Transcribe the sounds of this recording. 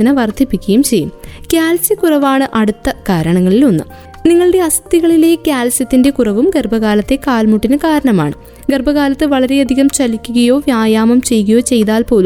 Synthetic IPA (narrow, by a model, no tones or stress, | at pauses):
inɐʋɐrd̪ʱipːikʲːɐjumt͡ɕe̞jːṵmkʲjaːlsɐkurɐʋaːɳɨʔɐɽut̪ːɐkaːɾɐɳɐŋːɐɭilonːɨ̰ | niŋːɐɭɨɽe̞ɐst̪iɣɐɭile̞kʲjaːlsɐt̪ːinde̞kurɐʋumɡerbʱɐɣaːlɐt̪ːe̞kaːlmuʈːinɨkaːɾɐɳɐma̰ːɳɨ | ɡerbɐɣaːlɐt̪ːɨʋɐɭɐɾe̞ɐd̪ʱiɣɐmt͡ɕɐlikʲːuɣɐjo̞ːʋjaːjaːmɐmt͡ɕe̞juɣɐjo̞ːt͡ɕe̞jt̪aːlpo̞ːlu